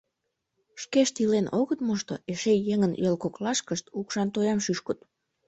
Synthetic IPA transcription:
ʃkeʃt̪ilenʔoɣət̪moʃt̪oeʃejeŋənjelkoklɑʃkəʃt̪ukʃɑnt̪ojɑmʃyʃkət̪

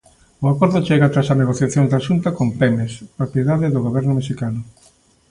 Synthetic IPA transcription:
ʊakoɾðʊt͡ʃeɣat̪ɾasaneɣoθjaθjõŋzd̪aʃunt̪akompɛmespɾopjeðaðɪðʊɣoβɛɾnʊmeʃikanʊ

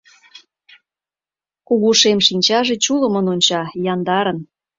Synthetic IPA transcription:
kuɣuʃemʃinʲt͡ɕɑʒet͡ɕuləmənonʲt͡ɕɑjɑnd̪ɑɾən

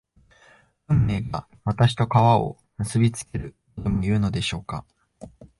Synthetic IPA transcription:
ɯ̟̃mːe̞ːɡa | βat̪aɕi̥t̪o̞kaβao̞̰ | mɯ̟sɨbʲit͡sɨ̥ke̞ɾɯ̟kot̪omojɯ̟ːno̞d̪e̞ɕo̞ːka

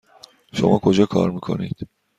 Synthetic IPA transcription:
ʃo̰makʰod͡ʒakʰa̰ɾmɯkʰonḭjd̪̥

